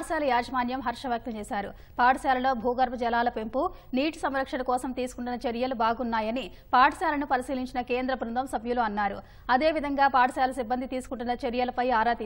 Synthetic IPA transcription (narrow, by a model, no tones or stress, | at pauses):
sjaːlɐjaːd͡ʒɐmaːnjɐmɦɐɾʂɐʋjaːk̚t̪ɐmt͡ʃɛːsaːɾṵ | paːʈɐsaːlɐlo̞ːbʱuːɡɐɾbɐd͡ʒɛlaːlɐpe̞mpuniːʈusɐmɾɐkʂɐnɐkɔːsɐmt̪iːsukuɳʈunːɐt͡ʃeɾjɐlubaːɡunːaːjɐni | paːʈɐsjaːlɐnupɐɾisiːliɲt͡ʃinɐke̞ːnd̪ɾɐpɾund̪ʱɐmsɐbjuluːɐnːaːɾṵ | ɐd̪e̞ːʋid̪ʱɐŋɡaːpaːʈɐsjaːlɐsibːɐnd̪ʱit̪iːsu̥kuɳʈunːɐt͡ʃeɾjɐlɐpɐjaːɾaːt̪i